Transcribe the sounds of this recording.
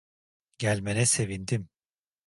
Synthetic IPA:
ɟælʲmenɛse̞vind̪im

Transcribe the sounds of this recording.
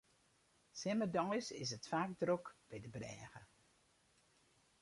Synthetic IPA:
sɛmədɔjsɪ̰sətfaːkdrokb̥ɛjdəbrɛ̰ːɣə

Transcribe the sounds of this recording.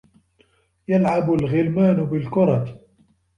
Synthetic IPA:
jalʕabʊlɣɪlmaːnʊbɪlkʊɾˤɑt̪

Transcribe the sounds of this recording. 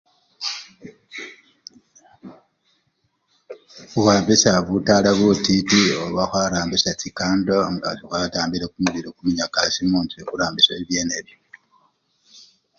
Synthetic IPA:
uwaːmbisaβutaːlaβutitioβaxwaːɾaːmbisacikaːndoŋɡa̰tixwataːmbiɾekumuβiɾokumiɲakasimuːntuekuɾaːmbisoiβje̞ːneβjo

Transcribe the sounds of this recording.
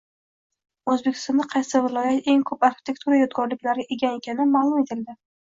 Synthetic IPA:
ɵzbekʲʰɪ̥st̪ɒnd̪aqʰɑjsɪvɪlˠɒjat̪e̞ŋkʰɵpaɾxʲɪ̥t̪ʰe̞kt̪ʰuɾajɒt̪ɡɒɾlɪkʲlaɾʔeɡʲane̞kʲʰanɪmaːlˠʊme̞t̪ʰɪld̪ɪ

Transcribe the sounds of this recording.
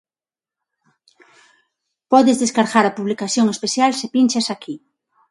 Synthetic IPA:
pɔðezðeskaɾɣaɾapuβlikaθjoŋespeθjalsepinʲt͡ʃasakʰi

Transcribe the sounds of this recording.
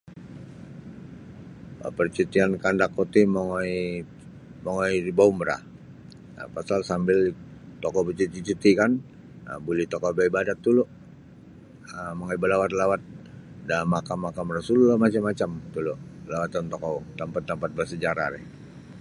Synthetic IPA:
ə̰pərt͡ʃut̪iankandakːot̪imoŋi | moŋɔiribaumɾa̰ | pasalsambɪlt̪ɔkɔbət͡ʃut̪it͡ʃut̪ikan | əbulit̪ɔkɔbaibadat̪ːuloʔ | əmaŋaibəlawat̪lawat̪̚damakamːakamrasullamat͡ʃamːat͡ʃamt̪uloʔlawat̪ant̪ɔkɔt̪ampat̪ːampat̪̚bəsəd͡ʒaɾa̰ɾɛ̰h

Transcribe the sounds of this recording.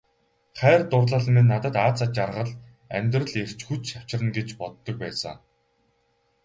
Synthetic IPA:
χæːrt̪ʊrɮăːɮə̆mɘ̆nːat̪ə̆t̪aːt͡săt͡ɕarʁə̆ɮ | æ̰mʲt̪rə̆ɮer̥t͡ɕxut͡ɕ̪ʃaw̥t͡ɕɪ̆rə̆nɡet͡ɕpɔt̪ːɞ̆k̚pæːsə̰̆ŋ

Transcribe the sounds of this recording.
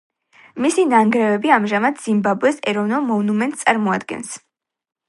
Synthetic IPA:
misinaŋɡɾɛvɛbiamʒamad̪z̥imbabɛsɛɾɔvnɔlˠmɔvnumɛnt̪ʼssʼaɾmɔad̪ɡɛ̰ns

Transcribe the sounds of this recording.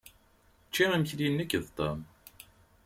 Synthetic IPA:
t͡ʃːiʁimçlinːəkːðt̪ˤə̰m

